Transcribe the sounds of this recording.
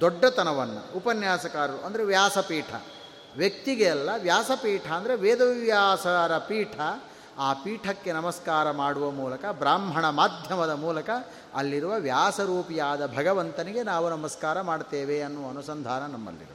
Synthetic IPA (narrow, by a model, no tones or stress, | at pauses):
d̪ɔɖːɐt̪ɐnɐʋɐnːṵupɐnjaːsɐkaːɾɐɾuʔɐnd̪ɐɾeʋjaːsɐpiːʈʰɐ̰ | ʋjɐk̚t̪iɡeɛlːɐʋjaːsɐpiːʈʰɐɐnd̪ɐɾeʋeːd̪ɐʋjaːsɐɾɐpiːʈʰɐ | aːpiːʈʰɐkːe̞nɐmɐskaːɾɐmaːɽuʋɐmuːlɐkɐbɾaːmbʱɐɳɐmaːd̪ʱjɐmɐd̪ɐmuːlɐkɐ | ɐ̰lːiɾuʋɐʋjaːsɐɾuːpijaːd̪ɐbʱɐɡɐʋɐnt̪ɐniɡe̞naːʋunɐmɐskaːɾɐmaːɖt̪eːʋeɐnːuʋɐnusɐnd̪ʱaːnɐnɐmːɐ̰lːḭɾu